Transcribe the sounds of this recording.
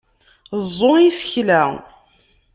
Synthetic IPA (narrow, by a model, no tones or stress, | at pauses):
zˤːoisə̥çlæ